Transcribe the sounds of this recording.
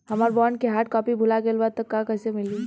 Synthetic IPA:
ɦɐmaːɾbɔːɾnkeɦaːʈ̚kɔːpibʱulaɡeːlbaːd̪̚t̪ːɐkːãkɛːsemɪli

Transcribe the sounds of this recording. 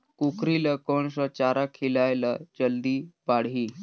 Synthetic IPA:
kukɾiləkɔɳsət͡ɕaɾakʰelajla̰d͡ʑəld̪iːpaɽ̤ɦiː

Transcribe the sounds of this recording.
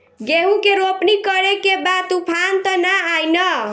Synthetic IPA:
ɡeɦũkeɾopnikʌɾekebat̪upʰant̪ʌnaajnʌ

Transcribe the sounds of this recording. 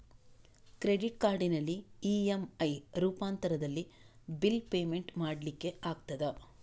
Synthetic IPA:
kɾeɖiʈkaːɾɖinɐlːiːemɐjɾuːpaːnt̪ɐɾɐd̪ɐlːi | bilpeːmeɳʈmaːɽlikːe̞aːɡt̪ɐd̪ɐ

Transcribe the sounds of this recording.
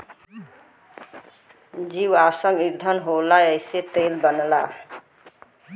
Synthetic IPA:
d͡ʒiwasəŋɡiɾd̪ʱənɦolajəjset̪elbənla

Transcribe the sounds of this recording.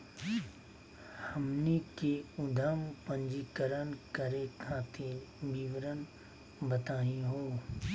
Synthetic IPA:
həmnikeʊd̪ʱəmpə̃ɲd͡ʒikəɾənkəɾekʰãːt̪ʰebiʋɾən | bət̪aːɦĩɦoː

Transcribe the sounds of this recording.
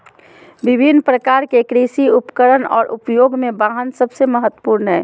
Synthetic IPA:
bɪbʱinpɾəkaːɾkekɾiʃiʊpkəɾənɔ̰ːɾʔʊpjoːɡmẽbaːɦənsəbseməɦət̪ːwə̥puɾnɦɛː

